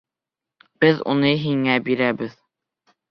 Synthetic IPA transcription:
b̥ɘðṵnɤɦiŋæbiɾæbɘð

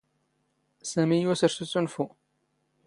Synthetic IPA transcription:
sæmijusəɾsut͡sːunfu

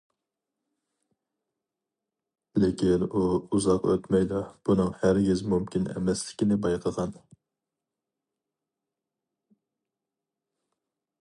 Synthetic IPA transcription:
lɪkʲinuuzɑqø̰t̪mɛjd̪ɑb̥unɨŋhæɾɡʲizmumkʲʰinɛ̰mɛslɪkʲinɪbɑjqʰəʁɑn

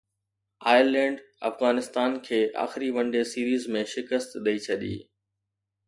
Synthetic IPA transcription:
aːɪlɛ̃ːɳɖ | ɐ̰fɣaːnɪst̪aːnkʰeːʔa̰ːxɪɾiʋɐ̃ɳɖesiːɾiːzmẽʃɪkəst̪ɗɐit͡ɕʰɐɗḭː

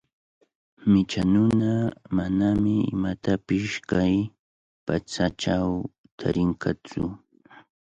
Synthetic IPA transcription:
mɪt͡ʃanʊnamanamɪɪ̰mat̪apɪskaj | pat͡saʈ͡ʂaw | t̪ʰa̰ɾɪŋkʰat͡sʊ

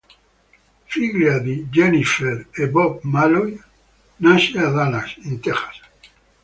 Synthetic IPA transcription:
fiɣlad̪id͡ʒenifeɾebɔp̚maloj | naʃeaðanasint̪eχḁs

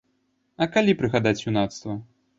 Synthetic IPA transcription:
ɐkalʲipɾɨɣad̪at͡sʲunat̪st̪vɐ

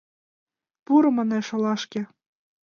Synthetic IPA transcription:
puɾɤ̆mɑneʃŏlɑʃkʲĕ

